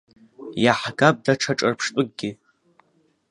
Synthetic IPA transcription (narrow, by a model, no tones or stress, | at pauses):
jaħɡap̚ʼdaʈ͡ʂʰaʈ͡ʂʼarpʰʂtʷʼʊɡ̚ɡʲɪ